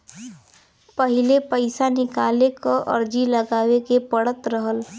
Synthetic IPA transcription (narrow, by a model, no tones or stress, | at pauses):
pəɦɪlepəɪsanɪkaːlekoʔə̰ɾd͡ʒilɐɡaːwekepəɽət̪ɾəɦəl